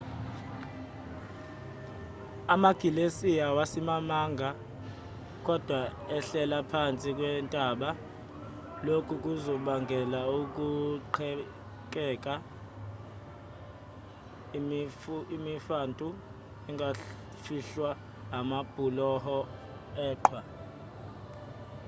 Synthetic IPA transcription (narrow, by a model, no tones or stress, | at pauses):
amaɡ̥ʱilesijawasimamaːŋɡʱa | k̬ʼɔd̥ʱwaɛɬɛlapʰant͡sʼik̬ʼwɛntʼaːɓa | lokʰuk̬ʼuzɔɓaŋɡʱɛlauk̬ʼuǃʰɛ | k̬ʼɛkʼa | imifantʼu | ɛŋɡʱa | fiɬwa | ɦamab̥ʱulɔhɔ | ɛːǃʰwa